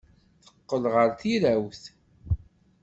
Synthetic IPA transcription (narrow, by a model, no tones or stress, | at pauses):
θə̥qːəlʁəɾθiɾæwθ